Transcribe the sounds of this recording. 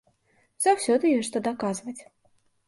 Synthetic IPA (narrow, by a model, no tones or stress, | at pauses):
z̥awsʲɔd̪ɨjɛʂt̪ɐd̪akazvɐt͡sʲ